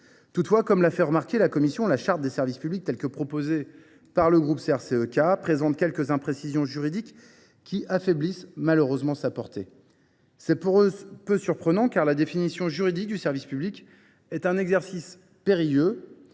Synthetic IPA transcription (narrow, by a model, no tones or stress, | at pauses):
t̪ut̪fwakɔmlafɛʁəmaʁkʲelakɔmisjɔ̃laʃaʁt̪̚d̪esɛʁvispyblik̚t̪ɛlkəpχɔpoze | paʁləɡʁupseɛʁseøkapχezɑ̃t̪kʲɛlkəzɛ̃pχesizjɔ̃ʒyʁid̪ikʲː | iʔafɛblismaløʁøzmɑ̃sapɔʁt̪e | sɛpuʁøpøsyʁpχənɑ̃kaʁlad̪efinisjɔ̃ʒyʁid̪ik̚d̪ysɛʁvispyblikʲ | ɛt̪ɛ̃nɛɡzɛʁsis | peʁijø